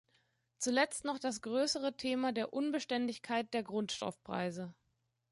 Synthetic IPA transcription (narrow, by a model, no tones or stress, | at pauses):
t͡sulɛt͡stnɔχd̥asɡ̥ʁøːsəʁ̞ətʰeːmadeːɐʔʊnbəʃtɛndɪçkʰaɪt̚d̥eːɐɡʁʊntʃtɔ̰fpʁ̥a̰ɪzə